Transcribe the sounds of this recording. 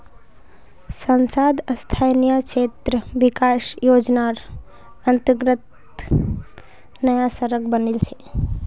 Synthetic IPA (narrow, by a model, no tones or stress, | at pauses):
sənsad̪əst̪ʰajnijəkt͡ʃet̪ɾəʋikasjoːd͡ʒnaɾ | ənt̪əɡɾət̪ | nəjasəɾəkbənilt͡ʃʰe̥